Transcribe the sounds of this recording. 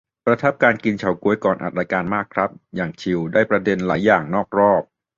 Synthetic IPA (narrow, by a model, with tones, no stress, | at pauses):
pɾa˧t̪ʰa˦˥p̚kaː˧nki˧nt͡ɕʰa˨˩˦wku˨˦əjkɔː˨˩nʔa̰˨˩t̪̚ɾa˧jkaː˧nmaː˥˩kʰɾa˦˥p̚jaː˨˩ŋt͡ɕʰi˧wdaː˥˩jpɾa˧de˧nla̰ː˩˦jːaː˨˩ŋnɔː˥˩k̚ɾɔː˥˩p̚